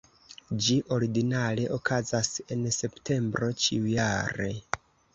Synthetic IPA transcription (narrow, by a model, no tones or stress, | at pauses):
d͡ʒiʔo̞ɾiɡinale̞ʔokʰazase̞nse̞ptʰe̞mbɾo̞t͡ʃḭujaɾe̞̰